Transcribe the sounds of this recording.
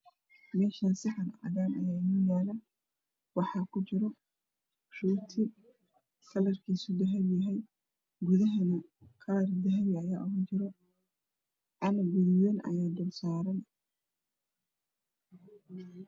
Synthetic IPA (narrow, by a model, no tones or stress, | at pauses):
mɛːʃɐnsɪħɑnʕɐ̰ðaːnɐ̰jaːnɔjaːlɐ | wɑħɑkʰʊt͡ʃɪɾɔ | ʃuːt̪ʰɪ | kʰɐlɐrkʰiːsʊd̪ɐɦɐljɐɦɛj | ɡʊðɐɦɐnɐkʰɐlɐrd̪ɐɦɛjɐjaːʔɔɣɐnt͡ʃɪɾɔ | ʔɐnɐɡʊðjɔnɐ̰jaːd̪ɔlsaːɾɐn